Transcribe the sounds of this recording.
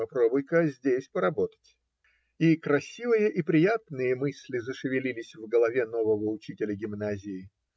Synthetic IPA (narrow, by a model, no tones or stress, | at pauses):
ɐpɾo̞bʊjkəzʲdʲesʲpəɾɐbo̞t̪ə̥tʲ | ikɾɐsʲivɨjəʔipɾʲɪjat̪nɨjəmɨsʲlʲɪzəʂɨvʲɪlʲilʲɪsʲvɡəlˠɐvʲeno̞vəvəʊt͡ɕitʲɪlʲəɡʲɪmnazʲɪɪ